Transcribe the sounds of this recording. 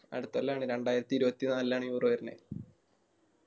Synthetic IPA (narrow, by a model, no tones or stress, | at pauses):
ɐ̰ɽɨut̪ːuʋɐlːaːɳɨɾe̞ɳɖaːjiɾɐt̪ːiɾubɐt̪ːinaːlilːaːɳɨjuːroːjɐɾinḛ